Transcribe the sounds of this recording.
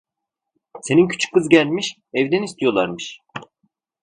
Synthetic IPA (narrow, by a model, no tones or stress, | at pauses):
se̞nincʰy̥t͡ʃʰy̥k̚ːɯzɟælʲmiʃ | ɛvd̪ænist̪ʰijo̞lˠaɾmɯʃ